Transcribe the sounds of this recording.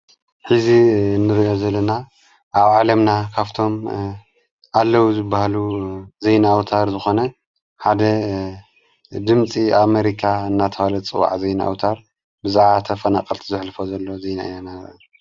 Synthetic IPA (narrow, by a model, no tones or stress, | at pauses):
ħizinːɨɾiʔozɐlːɐna | ʔaβʕalɐmnakʰaβt̪ʰo̞m | ʔalːɐwuzɨbːahaluzejnawt̪ʰaɾzɨxo̞nɐ | ħad̪ɐ | d̪ɨmt͡sʼiameɾikʰaɨnːat̪ʰɐwalɐt͡sʼɨwa̰ʕzɐjnaʔa̰wt̪ʰaɾ | bɨzaʕat̪ʰɐfɐnakʼɐlt̪ʰizɨħlɨfozɐlːo̞zejna̰ɨ̰janaɾʔ